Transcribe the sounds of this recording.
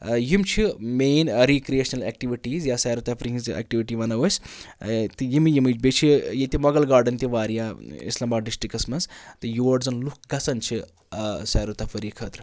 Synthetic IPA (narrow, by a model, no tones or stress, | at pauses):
jimt͡ʃʰimeːnɐɾikɾijeːʃɐnɐlek̚ʈiʋiʈiːzjasaːɾɐt̪ɐfʰɾiizḛk̚ʈiʋiʈiʋɐnɐʋɐsʲ | t̪ɨjimijimit͡ʃbet͡ʃʰijet̪imɐɡɐlɡaːɾɖɐnt̪iʋaːɾjaːḭslɐmbaːɖɖisʈikɐsmɐnzt̪ɨjoːɖzɐnluk̚ʰɡɐsɐnt͡ʃʰi | saːɾut̪ɐfʰɐɾiːkʰɐːt̪ɾɨ